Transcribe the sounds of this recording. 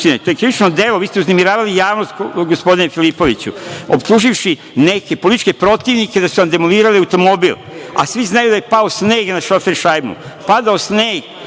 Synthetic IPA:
t̪inet̪ojekɾiʋit͡ʃnod̪elo̞ʋiːst̪euznemiɾaːʋalijaːʋnost̪ɡospo̞d̪inefilipo̞ʋit͡ɕṵobt̪uʒifʃi | ne̞ke̞polit̪it͡ʃke̞pɾo̞t̪iʋniked̪asuʋamd̪e̞moliːɾaliawt̪o̞mo̞bilˠ | a̰sʋiznajud̪ajepaosneːɡnaʃo̞feɾʃajmṵpad̪aosneːɡ

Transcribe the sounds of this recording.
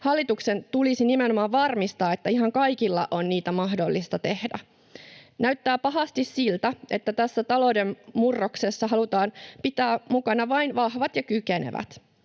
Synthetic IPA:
hɑlːit̪uksent̪ulisinime̞no̞mɑːʋʋɑrmist̪ɑːet̪ːæiɦɑŋkɑjkilːɑ̰ʔo̞nniːt̪æmɑɦdo̞lːist̪ɑt̪e̞hdæ̰ | næyɥt̪ːæːpɑɦɑst̪issilt̪æʔe̞t̪ːæt̪æsːæt̪ɑlo̞wdemmurːoksesːɑɦɑlut̪ɑːnpit̪æːmukɑnɑʋɑinʋɑhʋɑt̪jɑkykenḛʋæ̰t̪

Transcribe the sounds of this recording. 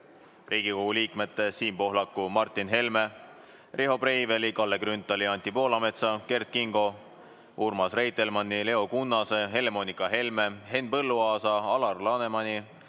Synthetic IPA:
riːɡ̥iko̞ɡ̥uliːkme̞t̪ːˑesiːmpo̞ɦlɑkːˑumɑrt̪ˑːinɦe̞lme̞ | rʔeɦo̞prejvelikɑlːe̞ɡrynt̪ːˑɑliɑnʲt̪ʲipo̞ːlɑme̞t̪sɑke̞rt̪̚kiŋɡo̞ | urmɑsre̞jt̪ˑːe̞lmɑnːile̞o̞kunːɑseɦe̞le̞mo̞nʲikːˑɑɦe̞lme̞ɦe̞npɤlːuɑːsɑɑlɑrlɑne̞mɑnʲi

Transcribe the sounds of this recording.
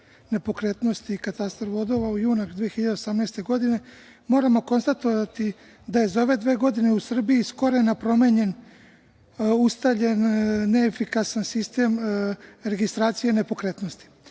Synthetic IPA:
ne̞po̞kɾe̞t̪no̞st̪ikat̪ast̪ɾʋo̞d̪o̞ʋaujuːnad̪ʋijexiʎad̪eosamneːst̪e̞ɡo̞d̪ine̞ | mo̞ːɾamo̞ko̞nst̪at̪oʋat̪i | d̪aje̞zo̞ʋe̞d̪ʋe̞ːɡo̞d̪ine̞usr̩bijisko̞ɾenapɾo̞meɲe̞n | ust̪avʎenːeːfikasansist̪e̞m | ɾe̞ɡist̪ɾaːt̪sije̞ne̞po̞kɾe̞t̪no̞st̪i̥

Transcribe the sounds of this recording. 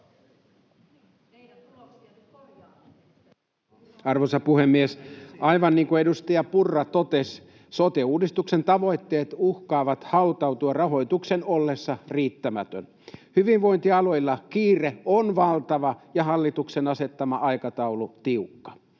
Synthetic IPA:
ɑrʋosɑpuhemːiesʔɑjʋɑnːiːŋkuedust̪ɑjɑpurːɑt̪o̞t̪es | sot̪euːdist̪ukse̞nt̪ɑʋo̞jt̪ːe̞ːt̪uhkɑːʋɑt̪hɑut̪ɑwt̪uɑrɑɦo̞jt̪ukse̞nolːe̞sːɑriːt̪ːæmæt̪øn | hyʋinʋo̞int̪iɑlo̞jlːɑkiːreonʋɑlt̪ɑʋɑjɑɦɑlːit̪uksenɑse̞t̪ːɑmɑʔɑjkɑt̪ɑulut̪iukːɑ̥

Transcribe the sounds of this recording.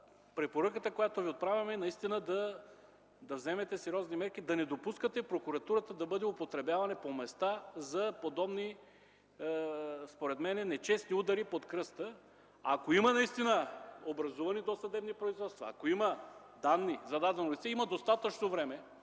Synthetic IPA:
pɾɛpoɾəkət̪əkojat̪oviot̪̚pɾavʲɐmɛnɐist̪inəd̪ɐ | d̪ɐvzɛmɛt̪ɛsɛɾʲɔznimɛɾk̟id̪ɐnɛd̪opuskət̪ɛipɾokuɾɐt̪uɾət̪əd̪ɐbɤd̪ɛʊpot̪ɾɛbʲjavɐnɛpomɛst̪azɐpod̪ɔbni | spoɾɛt̪mɛnɛnɛt͡ʃɛsniud̪ɐɾipot̪kɾɤst̪ə | ɐkoimɐnɐist̪inəobɾɐzuvɐnid̪osɐd̪ɛbnipɾoizvɔt̪st̪vɐ̰ːkoimɐ | d̪anːizɐd̪ad̪ɛnolit̪sɛimɐd̪ost̪at̪ət͡ʃnovɾɛmɛ

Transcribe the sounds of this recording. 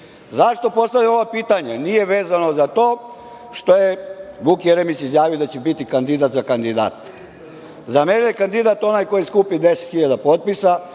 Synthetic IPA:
zaʂt̪o̞po̞st̪aʋʎʲamo̞ʋapiːt̪aɲenije̞ʋeːzano̞zat̪o̞ː | ʃt̪o̞jebukjeɾemit͡ɕizjaːʋio̞d̪at͡ɕebit̪ikand̪id̪at̪zakand̪id̪a̰ːt̪ | zamenejekand̪id̪at̪o̞najko̞jiskupid̪e̞set̪xiʎad̪apo̞t̪̚pisa

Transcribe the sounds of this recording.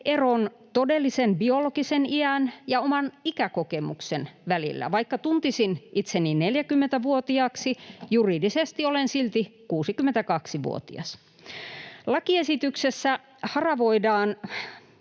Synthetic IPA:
eron | t̪odelːisenbiolokiseniænjɑomɑnikækokemṵksenʋælḭlːæ̰ʋɑikːɑt̪unt̪isinʔit̪senːinneljækymːent̪æʋuot̪iɑksijuriːdisest̪iolensilt̪ikuːsikymːent̪ækɑksiʋṵo̰t̪ḭɑ̰s | lɑkiesit̪yksesːæ | hɑrɑʋoidɑːn

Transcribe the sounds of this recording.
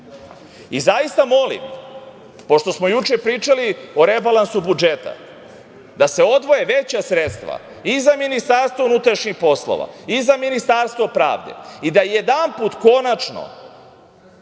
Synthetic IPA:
izajist̪amo̞lḭm | po̞ʃt̪o̞smo̞jut͡ʃepɾiːt͡ʃalio̞ɾe̞balˠansubud͡ʒet̪a̰ | d̪aseo̞d̪ʋo̞je̞ʋet͡ɕasɾet̪st̪ʋa̰ | izaminist̪aɾst̪ʋounut̪ɾaʃɲixpo̞slo̰ʋa̰izaminist̪aɾst̪ʋopɾa̰ːʋd̪e̞̰id̪ajed̪anpuːt̪ko̞nat͡ʃno̰

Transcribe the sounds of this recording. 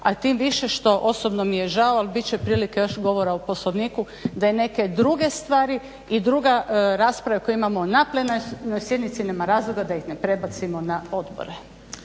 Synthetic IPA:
at̪iːmʋiʃeʃt̪o̞ʔo̞sobnomijeʒaoalbit̪̚t͡ɕepɾiːlikejo̞ʃɡo̞ʋo̞ɾaupo̞slˠoʋniːku | d̪ajene̞ke̞d̪ɾuɡe̞st̪ʋaːɾi | id̪ɾuɡaɾaːspɾaʋakoeimamonaplenajnojsʲje̞d̪nit̪sineːmaɾaːzlˠoɡad̪ajixne̞pɾe̞bat̪simonao̞d̪bo̰ɾe

